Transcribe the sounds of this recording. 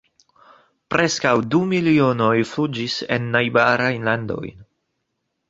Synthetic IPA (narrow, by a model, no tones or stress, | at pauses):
pɾʔe̞skawdumiliono̞jflud͡ʒise̞̰nːajbaɾajnlando̞̰jn